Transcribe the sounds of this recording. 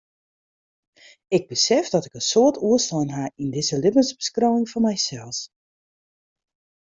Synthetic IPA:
ɪɡ̚bəsɛfdɔtɪkənsoətʰuəstɔnɦaindɪzəlɪpənsbəskrɔwɪŋfɔnmɛjsɛlˠs

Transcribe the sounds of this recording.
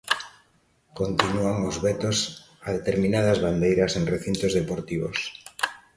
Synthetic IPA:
kont̪inuaŋozβet̪os | aðet̪eɾminað̞ɐzβand̪ejɾɐseŋreθint̪ozðepoɾt̪iβo̰s

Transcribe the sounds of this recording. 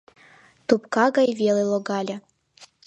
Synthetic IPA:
t̪upkɑɣɑjvʲelelˠoɡɑlʲɤ̆

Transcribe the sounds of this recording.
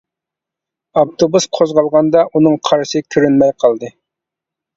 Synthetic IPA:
ɑp̚t̪ʰobusqʰozʁɑlˠʁɑnd̪ɑʔunɨŋqʰɑɾsɪkʲʰyɾynmɛjqʰɑlˠd̪ɨ

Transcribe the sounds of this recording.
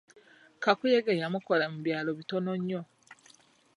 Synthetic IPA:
kakujeɡejamuko̞lamuβjaːloβitonoɲːo

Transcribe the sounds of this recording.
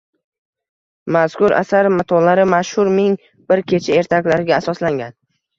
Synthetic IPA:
maz̥kʰʊɾa̰saɾmat̪ʰɒlaɾɪmaʃhʊɾmɪŋ | bɪɾkʲʰe̞t͡ʃʰae̞ɾt̪ʰakʲlaɾɪɡʲaːsɒslaŋɡʲan

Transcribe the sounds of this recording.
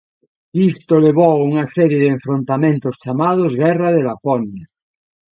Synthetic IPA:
ist̪oleβowuŋasɛɾjeðeeɱfɾont̪amẽnt̪ost͡ʃamað̞ozɣɛrað̞elapɔnja

